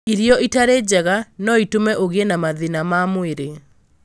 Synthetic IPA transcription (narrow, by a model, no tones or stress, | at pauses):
iɾjɔʔitaɾed͡ʑɛɣanɔitomɛʔoɣeenamaðinamamweɾe